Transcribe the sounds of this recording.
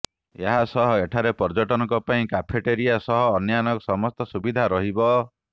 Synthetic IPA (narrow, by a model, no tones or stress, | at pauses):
eɦasɔɦɔeʈʰaɾepɔɾd͡ʒɔʈɔnɔkɔpaĩkapʰeʈeɾijasɔɦɔːnjanɔkɔsɔmɔst̪ɔsubid̪ʱaɾɔɦibɔ